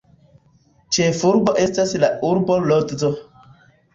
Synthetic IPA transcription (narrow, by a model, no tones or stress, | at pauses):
t͡ʃefuɾboʔe̞staslauɾbolotzo